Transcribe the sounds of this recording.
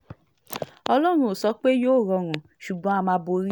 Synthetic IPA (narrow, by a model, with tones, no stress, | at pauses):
ɔ˧lɔ˦ɾ̃ũ˧o˨sɔ˨˧˦k͡pe˦joː˦˨ɾɔ˧ɾ̃ũ˨ | ʃu˨ɡ͡bɔ̃˨˦a˧mãː˧˦bo˧ɾi˦